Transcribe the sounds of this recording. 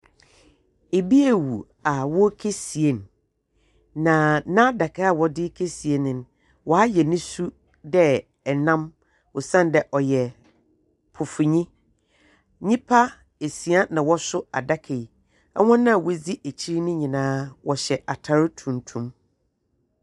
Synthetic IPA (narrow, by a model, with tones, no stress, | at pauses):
e˨bi˦e˨wu˨ | a˨wɔ˦kʰe˦si˨e˦n | ã˨nã˦da˨kʰa˦a˦˨wɔ˦dɪ˦kʰe˦si˨e˦nɪ̃˨n˦ | wɔ˨a˦jɛ˨nɪ̃˦su˦ | dɛ˦ | ɛ˨nã˦m | ʊ˨sã˦ndɛ˨ʔɔ˨jɛ˨ | pʰʊ˨fʊ˨ɲĩ˦ | ɲĩ˦pʰa˦ | e˨si˨a˦nã˨wɔ˦sʊ˦a̰˨da˦kʰe˨j | ɛ˦wɔ̃˦nã˦˨wo˦d͡zi˦ʔe˨t͡ɕʰi˦ɾi˦nʊ̃˦ɲĩ˨nãː˦wɔ˨ɕɛ˨ʔa˨tʰa˨ɾʊ˦tʰũ˨ntʰũ˦m